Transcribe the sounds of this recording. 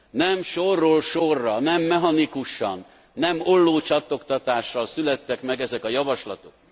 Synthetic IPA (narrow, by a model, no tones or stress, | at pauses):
nɛmʃorːolʃorːɒnɛmːɛɦɒnikuʃɒ̰nː | ɛmo̞lːoːt͡ʃɒt̪ːo̞kt̪ɒt̪aːʃːɒlsylɛt̪ːɛkmɛɡɛzɛkɒjɒvɒʃlɒt̪o̞k̚